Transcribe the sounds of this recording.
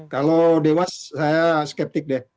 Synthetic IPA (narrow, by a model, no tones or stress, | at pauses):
kalodewasːajaskɛp̚t̪ɪk̚dɛ